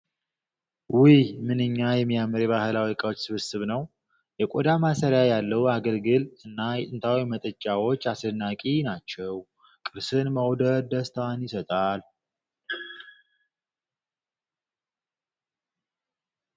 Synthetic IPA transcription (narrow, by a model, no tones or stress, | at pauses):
wijmɨnɨɲːajɛmːijamɨɾjɛβahɨlawikʼəwot͡ʃːsɨβɨsɨβnəw | jɛkʼod̪amasəɾjajalːəhuaɡəlɡɨlɨnːajɛt̪ʼɨnt̪ʰawimət̪ʼət͡ʃʼːawo̞t͡ʃːasɨnːakʼinat͡ʃːɛw | kʼɨɾsɨnməwd̪əd̪əst̪ʰanjɪsət̪ʼal